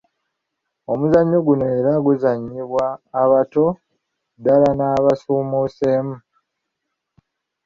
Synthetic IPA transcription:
o̞muzaɲːo̞ɡuneːɾaɡuzaɲːiβwaːβato̞ | dalanaːβasuːmuseːmu

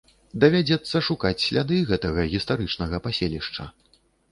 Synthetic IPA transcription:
d̪ɐvʲad͡zʲɛt̪sːɐʂukat͡sʲsʲlʲad̪ɨɣɛt̪ɐɣɐɣʲist̪aɾɨt͡ʂnɐɣɐpasʲelʲiʂt͡ʂɐ̰

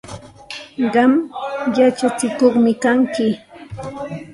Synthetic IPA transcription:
ɢɑmjat͡ʃat͡sɪkoχmɪkaŋkɪ

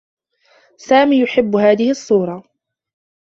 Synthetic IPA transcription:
saːmiːjʊħɪbːhaːðɪhɪʔɑsˤːuːɾˤɑ

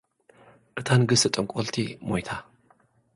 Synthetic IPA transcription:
ʔɨt̪ʰanɡɨsɨt̪ʼɨŋkʼolt̪ʰimojt̪ʰa

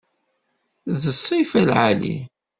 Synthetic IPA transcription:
ðəsˤːifælʕalḭ

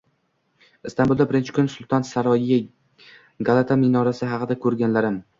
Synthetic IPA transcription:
ɪst̪ambʊlˠd̪abɪɾɪnt͡ʃʰɪ̥kʰʊnsʊlˠt̪ʰansaɾɒɪja | ɡalˠat̪ʰamɪnɒɾasɪɦɑqʰɨd̪akʰɵɾɡʲanlaɾɪm

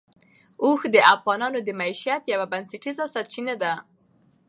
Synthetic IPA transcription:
oxd̪əʔafɣɑnɑnod̪əmaiʃjat̪jawabanseʈizasaɾt͡ʃinad̪a

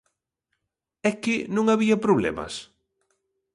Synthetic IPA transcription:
ɛkɪnõŋaβiɐpɾoβlɛ̰mɐ̰s

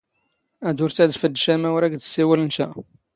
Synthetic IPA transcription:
æd̪uɾt̪æd̪fəd̪ːʃæmæwɾæɡd̪ə̥siwəlnʃæ

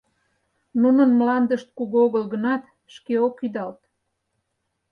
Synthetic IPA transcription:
nunənmlɑnd̪əʃt̪̚kuɣoɣəlɣənɑt̪ | ʃkeokyd̪ɑlt̪

